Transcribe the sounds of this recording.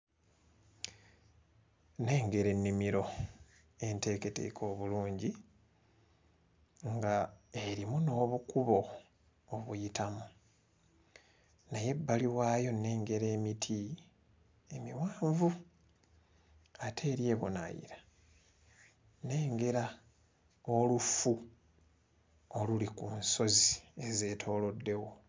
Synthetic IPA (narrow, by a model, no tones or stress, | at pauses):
ne̞ːŋɡe̞ɾe̞nːimiɾo̞ | e̞nte̞ːke̞te̞̰kʰo̞ːβuluːɲɟi | ŋɡae̞ɾimuno̞ːβukuβo̞ː | βujitamu | naje̞bːaliwaːjo̞ne̞ːŋɡe̞ɾe̞ːmitʰi | e̞miwaːɱvu | atʰe̞ːɾje̞ːβo̰na̰jḭɾa | ne̞ːŋɡe̞ɾa | olufu | olulikunso̞zie̞ze̞ːtʰo̞ːlo̞dːe̞wo̞